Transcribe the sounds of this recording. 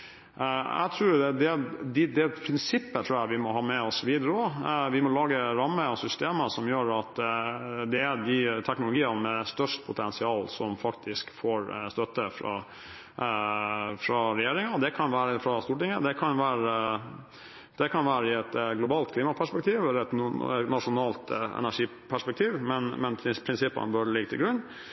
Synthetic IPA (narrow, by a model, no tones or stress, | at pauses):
æ̰ɪt̪ʰɾuːɾd̪ɛd̪ɪd̪ɛpʰɾɪnsɪpːət̪ʰɾuːæɪʋɪmɔɦɑːmɛɔsɔʋiːd̪əɾəɔʋɪmɔlɑːɡəɾɑmːəɔsʏst̪eːməsɔmjøːɾɑt̪ | d̪ɛæd̪ɪt̪ʰɛknʊlʊɡiːənmɛst̪œʂʈpʰʊt̪ʰɛnsɪɑːlsɔmfɑkt̪ʰɪskfoːɾst̪œt̪ːəfɾɑ̰ | fɾɑɾɛjeːɾɪŋɑd̪ɛkʰɑnʋæːɾəfɾɑst̪uːʈɪŋːəd̪ɛkʰɑnʋæːɾ | d̪̥ɛkʰɑnʋæːɾəɪɛt̪ɡlʊbɑːlt̪̚kʰliːmɑpʰæʂpɛk̚t̪ʰiːʋɛlːəɛt̪nɑʂʊnɑːlt̪ɛ̰næʂiː | pʰæʂpɛk̚t̪ʰiːʋmɛnmɛnpʰɾɪnsɪpːə̰nbœɖɛlɪɡət̪ʰɪlɡɾʉnː